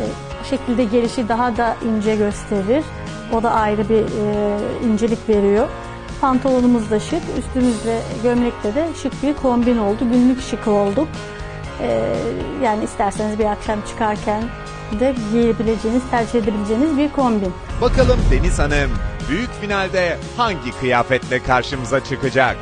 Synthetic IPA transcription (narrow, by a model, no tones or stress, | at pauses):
ɛ | ʃe̞cʰilʲd̪ɛɟe̞ɾʲiʃid̪aɦad̪aʔind͡ʒɛɟø̞st̪ʰe̞ɾiɾ̥ | o̞d̪aʔajɾɯbi | ind͡ʒe̞lʲicve̞ɾijo̞ | pʰant̪ʰalˠonumuzd̪aʃɯkyst̪ʰymyzlʲɛɟømlʲɛclʲɛd̪ɛʃɯkbiɾkʰo̞mbino̞lˠd̪uɟynlʲycʃɯkʰɯo̞lˠd̪uk | ɛːjaːniːst̪ʰæɾsenizbiɾakʃamt͡ʃʰɯ̥kʰaɾcʰæn | d̪ɛɟejebilʲe̞d͡ʒe̞jinizt̪ʰæɾd͡ʒihe̞d̪ebilʲed͡ʒe̞jinizbiɾkʰo̞mbinbakalˠɯmd̪e̞nizanɯmbyjycfinalʲd̪ɛ | haɲɟikʰɯjaːfɛt̪lʲɛkʰaɾʃɯmɯzat͡ʃʰɯkɯd͡ʒak̚